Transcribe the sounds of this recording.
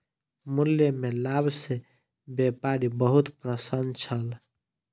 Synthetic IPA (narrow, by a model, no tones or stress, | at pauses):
muljemelabse | bepaɾibəɦut̪pɾəsənt͡ʃʰəl